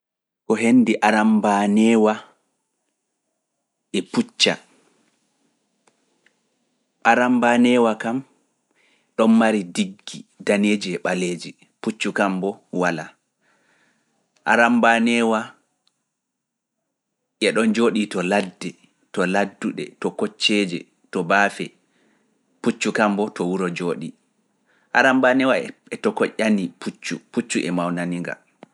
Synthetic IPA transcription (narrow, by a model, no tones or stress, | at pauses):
kɔɦenːdiʔaɾambanɛːwa | ʔɛput͡ʃːa̰ | ʔaɾambanɛwakam | ɗɔnmaɾidiɡːidaned͡ʒiɛɓaleːd͡ʒi | put͡ʃːukambɔwala̰ | ʔa̰ɾambanɛwa | ʔɛɗɔnd͡ʒoːɗitɔladːɛ | tɔladːuɗɛ̰tɔkɔt͡ʃːɛd͡ʒɛ̰ | tɔbaːfɛ | put͡ʃːukambɔtɔwuɾɔd͡ʒoːɗi | ʔaɾambanɛwaɛtɔkɔʔʲanipʰut͡ʃːuput͡ʃːuʔɛmawnaniŋɡa̰